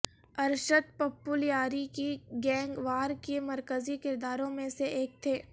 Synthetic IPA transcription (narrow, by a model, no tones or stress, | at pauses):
ɐɾʃəd̪̚pɐpːʊljaːɾikiɡɛ̃ːŋɡʋaːɾkemɐɾkəzikɪɾd̪aːɾõmẽseeːk̚t̪ʰeː